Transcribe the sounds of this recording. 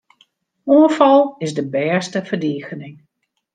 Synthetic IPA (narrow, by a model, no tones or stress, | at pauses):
uəfɑlˠɪzdəbɛːstəfərdiːxənɪŋ